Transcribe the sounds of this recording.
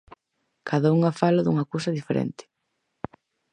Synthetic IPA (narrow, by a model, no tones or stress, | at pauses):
kʰaðauŋafalaðuŋakows̬ɐðifeɾɛ̰nt̪ɪ̥